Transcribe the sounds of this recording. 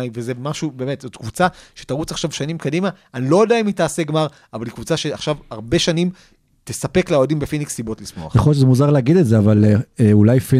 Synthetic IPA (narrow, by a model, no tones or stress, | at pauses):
jveze̞maʃube̞ːme̞t̪zot̪kvut͡saʃe̞̥taʁut͡saχʃavʃanimkadima | anilo̞daimitaːse̞ɡmaʁ | avalikvut͡saʃeaχʃavaʁbe̞ʃanim | tesape̞kleodimbefiniksibo̞tlismmoa̰eχojoʃezemuzaʁleaɡid̪etzeavaleeulajfi